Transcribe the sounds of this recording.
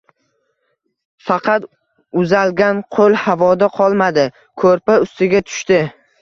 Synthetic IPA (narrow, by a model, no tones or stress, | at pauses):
fɑqʰɑt̪ | ʊzalɡʲanqʰolˠhavɒd̪aqʰɒlˠmad̪ɪ | kʰɵɾpaʊst̪ɪɡʲat̪ʰʊ̥ʃt̪ɪ